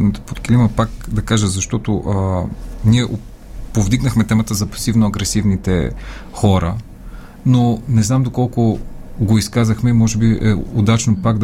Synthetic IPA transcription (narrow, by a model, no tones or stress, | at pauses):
nit̪o̥pot̪kiliməpak̚d̪ɐkaʒəzɐʃt̪ɔt̪oʔəniɛʔo | povd̪iɡnəxmɛt̪ɛmət̪əzɐpɐ̥sivnoɐɡɾɛsivnit̪ɛ̰xɔɾə | nonɛznamd̪okɔlˠkoɡoiskazɐxmɛimɔʒɛbiʔɛod̪at͡ʃnopaɡd̪